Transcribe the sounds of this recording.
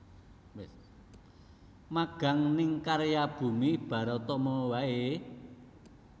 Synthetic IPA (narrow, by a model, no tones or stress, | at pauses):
wɪs | maɡ̥a̤ŋnɪŋkaɾjab̥ṳmib̥ä̤ɾɔt̪ɔmɔwae